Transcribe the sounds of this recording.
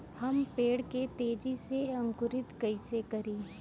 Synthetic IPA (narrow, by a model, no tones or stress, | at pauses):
hɐmpeːɽket̪eːd͡ʒiseɐ̃ŋkʊɾɪt̪kɐɪsekɐɾiː